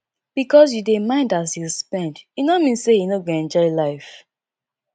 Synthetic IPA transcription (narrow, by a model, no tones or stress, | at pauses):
b̥ikɔsjudemãɪ̃ndasilspɛ̃ndjinɔmĩnsejinoɡoɛ̃nd͡ʒɔɪlaɪf